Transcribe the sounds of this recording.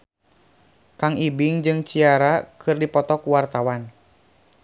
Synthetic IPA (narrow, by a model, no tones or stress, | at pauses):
kaŋibiŋd͡ʒɨŋt͡ʃiaɾakʰɨrdipɔt̪ɔkuwart̪awan